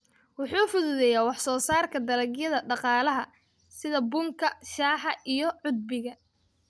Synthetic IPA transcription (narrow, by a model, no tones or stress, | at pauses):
wʊħuːfʊðuðɛjaːwɑħsɔːsaːrkʰɐd̪ɐlɐɡjɐðɐɖɑqɑːlɐɦɐ | sɪðɐbʊŋkʰɐʃaːħɑʔijɞʕʊd̪̚bɪɣɐ